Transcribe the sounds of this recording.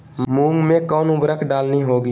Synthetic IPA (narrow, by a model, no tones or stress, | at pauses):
mũːŋɡmẽkɔːnʊbɾəkʰɖaːlniɦoːɡi